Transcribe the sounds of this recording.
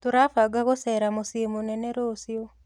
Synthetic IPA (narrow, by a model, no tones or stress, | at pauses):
toɾafaɡaɣosɛɾamosiemonɛnɛɾosio